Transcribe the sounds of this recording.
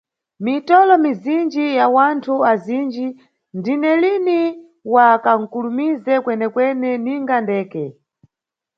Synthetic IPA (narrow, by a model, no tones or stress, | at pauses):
mitɔlɔmizind͡ʒijawantʰuazind͡ʒi | ndinɛlini | wakaŋ̩kulumizɛkwɛnɛkwɛnɛniŋɡandɛːkɛ